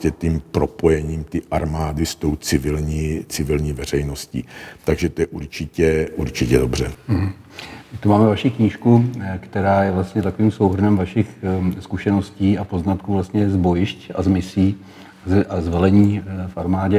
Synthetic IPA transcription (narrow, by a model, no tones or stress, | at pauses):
ɛt̪impɾo̞po̞jɛɲiːmt̪ɪʔaɾmaːdɪst̪o̞wt͡sɪvɪlɲiːt͡sɪvɪlɲiːvɛr̝ɛjno̞scḭːt̪aɡʒɛt̪ojɛʔuɾt͡ʃɪcɛuɾt͡ʃɪcɛdobr̝ɛɦ̩ | ɪt̪umaːmɛvaʃikɲiːʃkukt̪ɛɾaːjɛvlast̪ɲɛt̪akoviːmso̞wɦr̩nɛmvaʃɪxskuʃɛno̞sciːʔapo̞znat̪kuvlast̪ɲɛzbo̞jɪʃca̰zmɪsiː | zʔazvɛlɛɲiːfʔaɾmaːɟɛ